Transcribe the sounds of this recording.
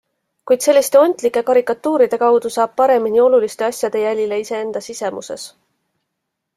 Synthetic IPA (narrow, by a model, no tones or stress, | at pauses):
kujd̪̥se̞lːist̪e̞o̞nʲt̪likːˑe̞kɑɾikːˑɑt̪ːuːɾid̪̥e̞kɑwd̪̥usɑːb̥̚pɑɾe̞minio̞lulist̪e̞ɑsʲjɑd̪̥e̞jælʲile̞ise̞e̞nd̪̥ɑsise̞mʔṵse̞̰s